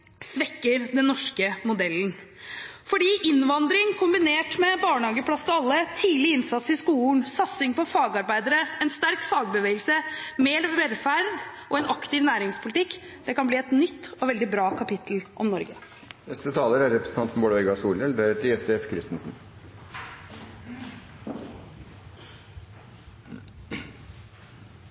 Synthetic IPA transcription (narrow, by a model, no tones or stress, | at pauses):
sʋɛkːəɾd̪ɛnːɔʂkəmʊd̪ɛln̩ | fɔɖiːʔɪnʋɑnd̪ɾɪŋkʰʊmbɪneːʈmɛbɑːɳhɑːɡəpʰlɑst̪ɑlːət̪ʰiːlɪɪnsɑt̪sɪskuːln̩sɑt̪sɪŋpɔfɑːɡɑɾbæɪd̪əɾəɛnst̪æɾkfɑːɡ̚bəʋeːɡəlsəmeːɾʋɛɾfæɾd̪ʔɔɛnɑkt̪ɪʋnæːɾɪŋspʰʊlɪt̪ʰɪkː | d̪̥ɛkɑnbliːɛt̪nʏt̪ːɔʋɛld̪ɪbɾɑːkʰɑpɪt̪l̩ʔɔmnɔɾɡə | nɛst̪ət̪ʰɑːləɾæɾɾɛpɾəsn̩t̪ɑnt̪fɔmboːɽəɛɡɑsuːlɛlbeːɾət̪lɪœt̪ːɛfkʰɾɪst̪nsn̩